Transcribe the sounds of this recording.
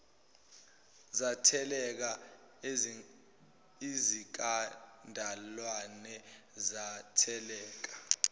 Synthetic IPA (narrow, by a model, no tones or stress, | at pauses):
zatʰɛlɛk̬a | izik̬ʼandʱalwanɛzatʰɛlɛːk̬ḁ